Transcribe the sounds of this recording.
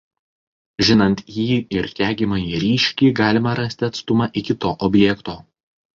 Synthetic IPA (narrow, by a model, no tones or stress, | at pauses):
ʒʲɪnɐnʲt̪jiːɪɾt̪ʲæːɡʲimɐjiːɾʲiːʃʲkʲiːɡɑːlʲɪmɐɾɐsʲt̪ʲɪɐt̪st̪ʊmɑʔɪkʲɪt̪oːʔɔbʲjɛkt̪oː